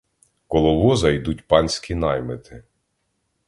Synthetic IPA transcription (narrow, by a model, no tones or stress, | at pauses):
kɔlˠɔʋɔzɐjd̪utʲpɑnʲsʲkʲinɑjmɪt̪ʰɪ